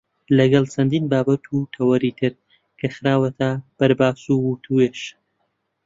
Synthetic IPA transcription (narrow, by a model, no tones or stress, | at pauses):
lɐɡɐlˠt͡ʃʰɐnd̪iːnbaːbɐt̪ʰut̪ʰɐwɐɾiːt̪ʰɨɾ | kʰɐxɾaːwɐt̪ʰab̥ɐɾbaːsuwut̪ʰueːʃ